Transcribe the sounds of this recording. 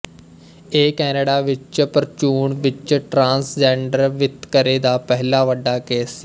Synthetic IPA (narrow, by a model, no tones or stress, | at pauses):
eːkɛːneɽaːʋɪt͡ʃpəɾt͡ʃuːɳʋɪt͡ʃʈɾãːnsd͡ʒɛ̃ːɳɖəɾʋɪt̪kəɾeːd̪aːpɛɦlaːʋəɖːaːkeːs